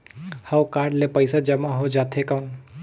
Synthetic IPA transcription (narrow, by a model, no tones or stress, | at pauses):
hɐwkaːɾɖlepəɪsad͡ʒɐmaɦod͡ʒaːt̪ʰɦekan